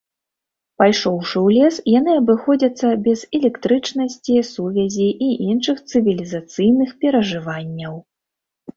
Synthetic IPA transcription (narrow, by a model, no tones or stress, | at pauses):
pajʂɔwʂɨwlʲɛsjanɨɐbɨxɔd͡zʲɐt̪sːɐbʲɛzɛlʲɛkt̪ɾɨt͡ʂn̪ɐsʲt͡sʲisuvʲɛzʲiʔiʔinʂɨxt̪sɨvʲilʲizat̪sɨjnɨxpʲɛɾɐʐɨvanʲːɐw